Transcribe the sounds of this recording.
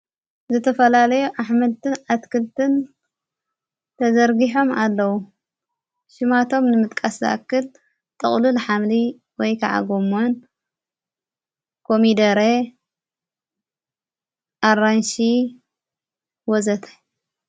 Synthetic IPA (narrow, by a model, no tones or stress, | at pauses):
zɨt̪ʰɐfɐlalɐjuʔaħmɐlt̪ʰɨnat̪kʰɨlt̪ʰɨn | t̪ʰɐzɐɾɡiħo̞malːɐwu | ʃɪmat̪ʰo̞mnɨmɨt̪ʼkʼaszɐ̰ʔa̰kːɨl | t̪ʼɨχʼlulɨħamli | wɔjkʰa̰ʕa̰ɡomon | kʰomid̪ɐɾe | ʔaɾanʃi | wɔzɐt̪ʰɐ̥